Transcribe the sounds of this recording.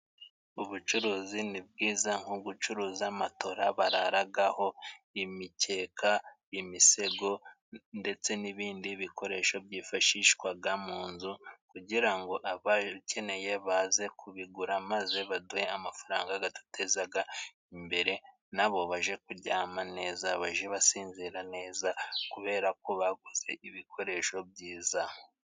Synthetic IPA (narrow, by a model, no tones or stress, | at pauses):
uβut͡ʃuɾuːzinib̚ɡiːzaŋ̥huɡut͡ʃuɾuːziamato̞ɾaβaɾaɾaɡaho̞imice̞ːkʰa | imise̞ɡo̞ | nde̞t͡se̞niβiːndiβiko̞ɾe̞ʃo̞bɟiːfaʃiːʃkwabɡamuːnzukuɟiɾaŋɡo̞ʔaβace̞ne̞je̞βaːze̞kʰuβiɡuɾamaze̞βadujeamafaɾaːŋɡaɡatu̥tʰe̞zaɡa | imbe̞ɾe̞ | naβo̞βaʒe̞kuɾɟaːmane̞ːzaβaʒe̞βasiːnziɾane̞ːzakuβe̞ːɾako̞βaɡuze̞̰ʔiβikʰo̞ɾe̞ʃo̞b̚ɟiːza